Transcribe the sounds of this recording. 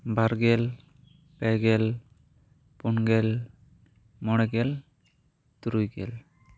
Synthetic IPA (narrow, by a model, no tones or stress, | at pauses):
baɾɡɛl | pɛɡɛl | punɡɛl | mɔɽɛɡɛl | t̪uɾujɡɛ̰l